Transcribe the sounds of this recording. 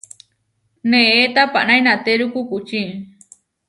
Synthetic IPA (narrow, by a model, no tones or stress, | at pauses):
nẽet̪apa̰ʔnajnat̪eɾukukut͡ʃi